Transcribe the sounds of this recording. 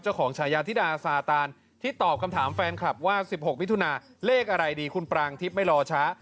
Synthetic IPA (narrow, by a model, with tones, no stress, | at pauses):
t͡ɕa˥˩wkʰɔː˩˦ŋt͡ɕʰaː˩˦jaː˧t̪ʰi˦˥˩daː˧saː˧˩t̪aː˧n | t̪ʰiː˥˩t̪ɔː˨˩p̚kʰmt̪ʰaː˩˦mfɛː˧nkʰla˨˩p̚waː˥˩si˨˩p̚ho˨˩k̚mi˦˥t̪ʰu˧naː˧leː˥˩k̚ʔa˧ɾa˧jdiː˧kʰu˧npɾaː˧ŋt̪ʰi˦˥p̚ma˥˩jlɔː˧t͡ɕʰa˦˥